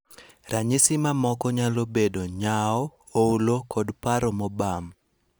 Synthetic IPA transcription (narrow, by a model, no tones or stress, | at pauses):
rʔaɲisɪmamɔkɔɲalobedoɲaɔ | oulokʰɔdpaɾɔmɔbam